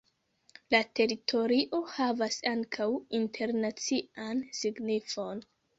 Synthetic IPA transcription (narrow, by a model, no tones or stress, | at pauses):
late̞ɾitʰo̞ɾiʔo̞havasaŋkʰawintʰe̞ɾnat͡siʔansiɡnifo̞n